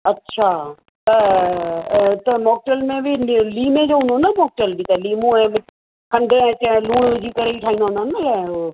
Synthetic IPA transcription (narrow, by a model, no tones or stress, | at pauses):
ɐtːɕʰa | t̪ɐ | t̪ɐmoːk̚ʈəlmẽbɪliːmẽd͡ʑoɦʊ̃nd̪onɐmoːk̚ʈəlbit̪ɐliːmũɛ̃ːb | kʰɐ̃nd̪ʱẽɛ̃t͡ɕɐ̃luːɽ̃ʋɪd͡ʑikɐɾeiʈʰaːɦĩnd̪ond̪anɐlɛ̃o